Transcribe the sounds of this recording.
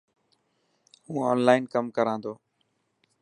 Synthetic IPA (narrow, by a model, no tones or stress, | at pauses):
ɦũːɔːnlaːɪnkəmkəɾãːnd̪oː